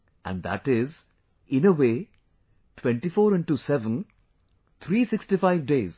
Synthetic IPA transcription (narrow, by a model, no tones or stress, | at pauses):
ʔæ̰̃ɳd̪æ̰ʈɪz | ɪ̃nəʋeː | ʈʰwɛ̃ɳʈifɔːɾɪ̃ɳʈusɛʋə̃n | t̪ʰɾiːsɪksʈifaɪʋɖeːz̥